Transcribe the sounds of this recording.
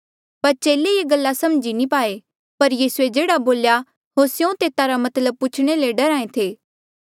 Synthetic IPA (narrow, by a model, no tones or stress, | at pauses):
pɐɾt͡ʃeːleieɡɐlːasɐmd͡ʒinipaːe | pɐɾjiːsued͡ʒeːɽaboːlja | ɦosjõt̪eːt̪aɾamɐt̪ləb̚pʊt͡ʃʰɽ̃eleɖɐɾaːẽt̪ʰeː